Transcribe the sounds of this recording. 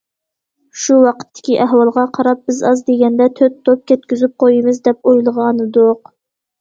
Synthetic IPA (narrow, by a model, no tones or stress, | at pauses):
ʃuwɑqʰə̥t̪ʰːɪ̥kʲiʔæɦwɑlˠʁɑqʰɑɾɑp̚bɪzɑzd̪eɡʲɛnd̪ɛt̪ʰøt̪ʰːop̚kʲɛt̪̚kʲyzyp̚qʰojimɨzd̪ɛpojlˠəʁɑnɨd̪ʊq